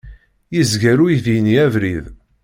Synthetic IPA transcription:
jizɡæɾujiðiniævɾið

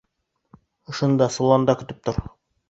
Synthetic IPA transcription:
ŏʃŏnd̪ɑsolˠɑnd̪ɑkɵ̆t̪ɘp̚t̪oɾ

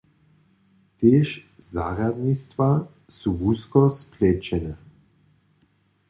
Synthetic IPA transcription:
t̪eːʃzaːɾad̪nist̪va | suːvuskɔsplɛt͡ʃɛnɛ

